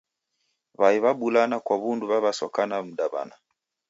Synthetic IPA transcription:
βaiβaɓulanakwaβunduβaβasɔkanam̩ɗaβa̰na

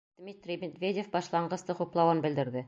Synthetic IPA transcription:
d̪̥mit̪rʲimed̪vʲedʲefbɒʃlˠɑɴɢɤ̆st̪ɤquplˠɑwɤnbɘ̆ld̪ɘ̆ɾd̪ɘ

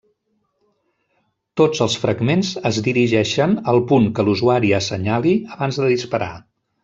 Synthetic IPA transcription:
t̪od͡zəlˠsfɾəɡmenzəzðiɾiʒɛʃənəlˠpuŋkəluzuaɾiəsəɲaliəβanzðəðispəɾa̰

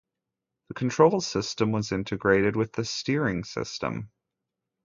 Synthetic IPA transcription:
ðɨkʰn̩tʰɹ̥oʊlˠsɪstə̃mwʌzɪ̃ntʰɨɡɹeɪɾɨd̚wɨðɨstɪɹɪ̃ŋsɪ̰stə̰̃m

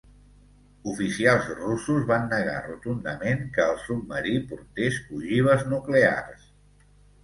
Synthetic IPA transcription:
ufisialˠzrusuzβanːəɣa̰rut̪und̪əmeŋkəːlˠsud̪̚məɾipuɾt̪esuʒiβ̞əznuklea̰rs

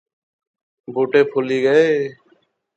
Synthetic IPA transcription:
bʱuːʈeːpʰʊːliːɡəeː

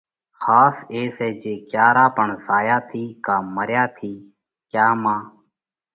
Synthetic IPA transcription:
xaːseːseːd͡ʒeːkjaːɾaːpəɳsaːjaːt̪ʰiːkaːməɾjaːt̪ʰiː | kjaːmãː

